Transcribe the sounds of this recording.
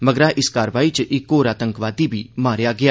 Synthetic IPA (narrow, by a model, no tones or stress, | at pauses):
məɡɾaːʔɪskaːɾəʋaːiːt͡ʃʔɪkːoːɾaːt̪əŋkʋaːd̪iːbʱiːmaːɾjaːɡɪjaː